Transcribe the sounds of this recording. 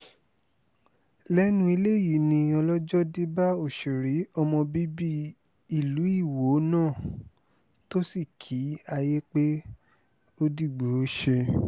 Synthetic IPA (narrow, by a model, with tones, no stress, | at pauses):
lɛ˦nũ˦i˧le˦˨ji˨˦nĩ˧ɔ˧lɔ˦d͡ʒɔ˦di˦ba˦o˦˨ʃe˨ɾi˨˦ɔ˧mɔ̃˧bi˦bi˦ | i˦˨lu˨˦i˦˨wo˨˦nãː˦˨ | to˦si˦˨kʰi˨˦a˧je˦k͡pe˦ | o˦di˦˨ɡ͡bo˨˦o˦ʃe˧